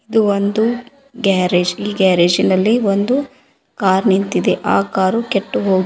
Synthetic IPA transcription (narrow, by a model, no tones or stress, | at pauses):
id̪uʋond̪u | ɡaːɾeːd͡ʒiːɡaːɾeːd͡ʒinɐlːiʋond̪u | kaːɾnint̪id̪eʔaːkaːɾukeʈːuɦoːɡ